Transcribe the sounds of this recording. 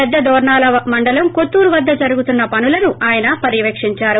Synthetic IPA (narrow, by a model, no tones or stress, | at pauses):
ɛd̪ːɐd̪ɔːɾɳaːlɐmɐɳɖɐlɐmkot̪ːuːɾuʋɐd̪ːɐd͡ʒɐɾuɡut̪unːɐpɐnulɐnuʔaːjɐnɐpɐɾiʋekʂiɲt͡ʃaːɾu